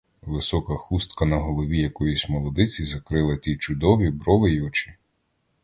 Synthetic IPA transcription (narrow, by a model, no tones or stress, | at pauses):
ʋɪsɔkɐxust̪kɐnɐɦɔlˠɔʋʲijɐkɔjusʲmɔlˠɔd̪ɪt͡sʲizɐkɾɪlˠɐt̪ʲit͡ʃʊd̪ɔʋʲibɾɔʋɪiɔt͡ʃɪ̥